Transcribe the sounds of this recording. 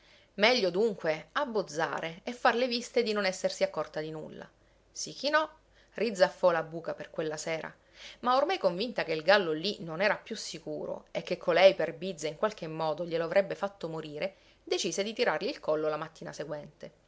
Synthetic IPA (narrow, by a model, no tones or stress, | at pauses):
mɛʎːod̪uŋkweabːod̪zːa̰ːɾʔeefːarlevist̪ed̪inonɛsːersiakːɔrt̪ad̪inṵlːa̰ | sikːinɔ | rid̪zːafːɔlabuːkaperkwelːasɛːɾʔa̰ | maormajkoɱvint̪ak̟eilɡalːolinonɛːɾapjusːikuːɾo̰ekːekʰːolɛjperbid̪zːaiŋkwalk̟emːɔːd̪oʎeloavɾʔɛbːefat̪ːomoɾiːɾe | d̪et͡ʃiːsed̪it̪iɾarliːlkɔlːolamat̪ːiːnaseɡwɛnt̪e